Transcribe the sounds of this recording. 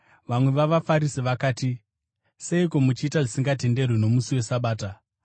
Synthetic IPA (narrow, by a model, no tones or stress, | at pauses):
ʋamwe̞ʋaʋafaɾisiʋakaːti | se̞iko̞mut͡ʃiːtaʐisiŋɡate̞nde̞rwino̞musiwe̞saɓaːta